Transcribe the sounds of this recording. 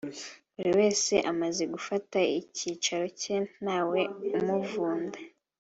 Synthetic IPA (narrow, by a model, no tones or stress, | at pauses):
βuɾiwe̞ːse̞ʔamaze̞ɡufataiciːt͡ʃaɾo̞cenaːwe̞umuvuːnda